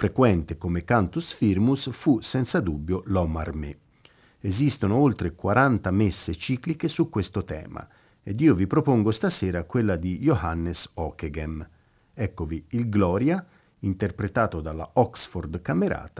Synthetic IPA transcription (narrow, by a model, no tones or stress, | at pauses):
fɾekwɛnt̪ekomekant̪usfirmusfusɛnt̪sad̪ubːjolɔma̰rme | ezist̪onoolt̪ɾekwaɾant̪amesːet͡ʃiːklikesukːwest̪ot̪ɛ̰ːma̰ | ed̪iːovipɾopoŋɡost̪asɛːɾakwelːad̪ijohanːesɔkeɡem | ɛkːoviilɡlɔːɾja | int̪erpɾet̪aːt̪od̪alːa̰ɔksford̪kameɾa̰ːt̪ḁ